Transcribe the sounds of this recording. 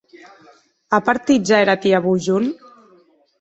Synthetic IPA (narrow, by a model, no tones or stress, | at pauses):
apaɾt̪id͡ʒaeɾat̪iaβuʒun